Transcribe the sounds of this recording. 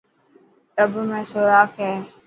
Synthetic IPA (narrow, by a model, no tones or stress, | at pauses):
ɾəbmẽːsoːɾaːkɦɛː